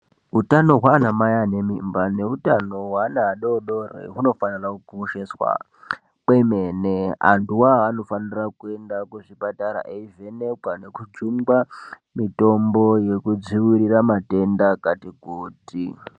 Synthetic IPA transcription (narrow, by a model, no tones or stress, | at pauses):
utano̞ɦwaːnamajane̞mimbane̞utano̞wanaɗo̞ɗo̞rḛɦuno̞fanirakukuoʃeswa̰ | kwe̞me̞ːne̞a̰ntuwaano̞fanirakue̞ndakuʐipataɾa̰ʔeive̞ne̞kwane̞kud͡ʒumɡa | mito̞mbo̞je̞kud͡ziwuɾiramate̞ndakatikuːti